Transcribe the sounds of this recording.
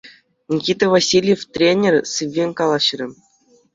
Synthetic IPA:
nʲikʲit̪ʲevasʲilʲjeft̪ʲrʲenʲerʲsɨvʲːenʲkɑlˠɑɕrʲɘ̆

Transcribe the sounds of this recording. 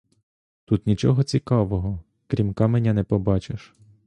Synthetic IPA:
t̪ut̪nʲit͡ʃɔɦɔt͡sʲikɑʋɔɦɔ | kɾʲimkɑmenʲːɐnɛpɔbɑt͡ʃeʃ

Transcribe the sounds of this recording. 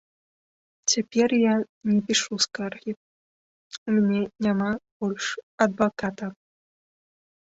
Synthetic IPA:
t͡sʲapʲɛrja | nʲɛpʲiʂuskarɣʲi | mʲnʲɛnʲamab̥ɔlʲʂɐd̪vakat̪ɐ

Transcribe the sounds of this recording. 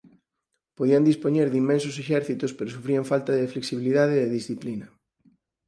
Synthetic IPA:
poðiand̪ispoɲeɾðimːẽnsʊs̬eʃɛɾθit̪ospeɾosufɾiaɱfalt̪ɐðefleksiβiliðaðeðeðisθiplinɐ

